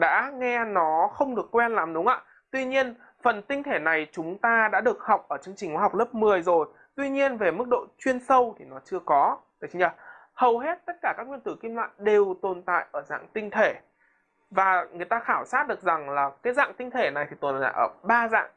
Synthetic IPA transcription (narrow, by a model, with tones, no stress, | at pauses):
ɗa̰ː˧˥ŋɛ˧nɔ˨˦xə˧wŋ͡mɗɨ˨˩əkːwɛ˧nla˨˦mɗʊ˨˦ŋ͡mʔa̰ː˧˨ | t̪wi˧ɲi˧ən | fə˨˩nt̪ï˧ŋ̟t̪ʰe˧˩na˨˩jt͡ɕʊ˨˦ŋ͡mt̪aː˧ɗa̰ː˧˥ɗɨ˨˩ək̚ha˨˩wk͡p̚ʔəː˧˩t͡ɕɨ˧əŋt͡ɕi̟˨˩kwɦa˨˩k͡p̚lə˦˥p̚mɨ˨˩əjzo˨˩j | t̪wi˧ɲi˧ənve˨˩mɨ˦˥k̚ɗo̰˧˨t͡ɕwi˧ənsə˧wt̪ʰi˨˩nɔ˨˦t͡ɕɨ˧əkɔ˨˦ | əː˨˩t͡ɕi˨˦ŋt͡ɕaː˧˩ | hə˨˩wɦe˦˥t̚t̪ə˦˥t̚kaː˧˩kaː˦˥k̚wi˧ənt̪ɨ˧˩ki˧mla̰ː˧˨jŋɗe˨˩wt̪o˨˩nt̪a̰ː˧˨jʔəː˧˩za̰ː˧˨ŋt̪ï˧ŋ̟t̪ʰe˧˩ | vaː˨˩ŋɨ˨˩əjt̪aː˧xaː˧˩wsaː˦˥t̚ɗɨ˨˩ək̚za˨˩ŋlaː˨˩kaː˨˦jza̰ː˧˨ŋt̪ï˧ŋ̟t̪ʰe˧˩na˨˩jt̪ʰi˨˩t̪o˨˩na̰ː˧˨jʔəː˧˩ɓaː˧za̰ː˧˨ŋ